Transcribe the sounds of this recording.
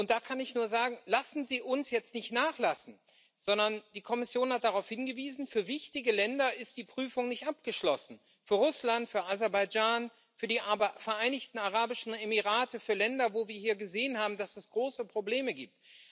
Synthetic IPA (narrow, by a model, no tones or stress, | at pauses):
ʔʊnt̚d̥aːkʰanɪçnuːɐzaːɡŋ̩lasn̩ziːʔʊnsjɛt͡stnɪçtnaːχlasn̩ | z̥ɔndɐnd̥iːkʰɔmɪsjoːnhat̚d̥aʁaʊfhɪnɡəviːzn̩fyːɐvɪçtɪɡəlɛndɐɪst̚d̥iːpʁ̥yːfʊŋnɪçtʔap̚ɡ̥əʃlɔsn̩ | fyːɐʁʊslantfyːɐʔazɛɐbaɪd͡ʒaːn | fyːɐdiːʔabfɛɐʔaɪnɪçtn̩aʁaːbɪʃn̩emiʁaːtʰəfyːɐlɛndɐvoːviːɐɦiːɐɡəzeːənhaːbm̩dasɛsɡ̥ʁoːsəpʁ̥obleːməɡiːp̚t